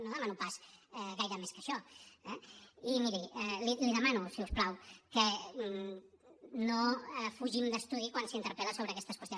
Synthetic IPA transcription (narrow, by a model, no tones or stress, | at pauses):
noðəmanupasɛɣajɾəmeskəʃɔɛimiɾiɛliliðəmanusiusplawkə | nofuʒimd̪əst̪uðikwansint̪əɾpɛləsoβɾəkɛst̪əskwəst̪jon